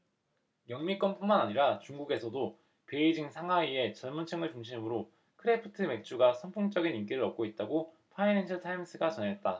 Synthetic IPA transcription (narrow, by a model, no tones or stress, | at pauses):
jʌŋmik͈ʌnpʰuŋmanaɲiɾat͡ɕuŋɡuɡe̞sʰʌdo | pe̞id͡ʑiŋsʰaŋɦwaie̞t͡ɕʌɭmunt͡ɕʰʌŋɯɭt͡ɕuŋɕ̬ʰimɯɾo | kʰɯɾepʰɯ̥tʰɯme̞k̚t͡ɕ͈ʰuɡasʰʌnpʰuŋt͡ɕ͈ʌɡinimk͈iɾɯɾʌp̚k͈oit̚t͈aɡo | pʰainend͡ʑʰɯtʰaims͈ʰɯɡat͡ɕʌnɦe̞t̚t͈a